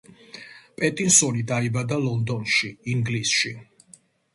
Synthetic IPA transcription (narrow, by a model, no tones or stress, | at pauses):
pʼɛt̪ʼinsɔnid̪aibad̪alɔnd̪ɔnʃiːŋɡlisʃi